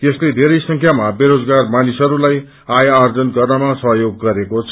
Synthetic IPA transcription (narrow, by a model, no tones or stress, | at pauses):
t̪esled̪ʱeɾʌjsʌŋkʰjamabeɾod͡zɡarmanisɦʌɾulaj | ajːrd͡zʌnɡʌrnʌmasʌɦjoɡːʌɾekot͡sʰ